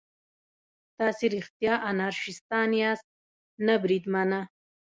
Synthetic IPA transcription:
t̪ɑsiɾiχt̪jɑːʔanaɾʂist̪ɑːnijast̪̚ | nabɾid̪mana

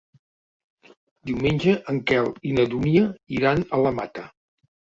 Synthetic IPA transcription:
d̪iwmenʲd͡ʒəʔəŋkɛlˠinəðuniəiɾanələmat̪ə

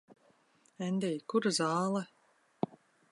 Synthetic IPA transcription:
ɛnd̪ʲɛjkuɾazaːlˠɛ

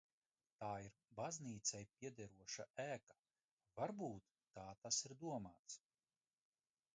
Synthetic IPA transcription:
t̪aːiɾ | bazniːt̪sɛjpʲiɛd̪ɛɾuɔʃaæːkḁ | vaɾbuːt̪ːaːt̪asiɾd̪uɔmaːt̪s

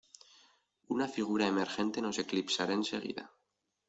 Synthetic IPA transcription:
unafiɣ̞uɾae̞me̞ɾxe̞nt̪e̞no̞se̞klipsaɾaense̞ɣ̞ḭða̰

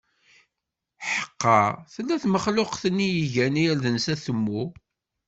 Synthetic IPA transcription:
ħə̥qːɑθəlːæθməχlʊqθənːijiʝænijælðənsæθəmːu

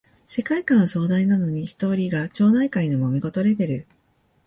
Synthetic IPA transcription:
se̞kaikãɰ̃aso̞ːd̪ainano̞ɲ̟içi̥t̪o̞ːɾʲiɡat͡ɕo̞ːnaikainomo̞mʲiɡo̞t̪o̞ɾe̞be̞ɾɯ̟

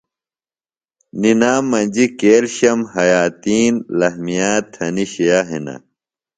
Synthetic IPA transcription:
ninaːmːɐnʲd͡ʑikeːlɕɐmhɐjaːt̪iːnlɐɦmijaːt̪ʰɐniɕejaɦinɐ̰

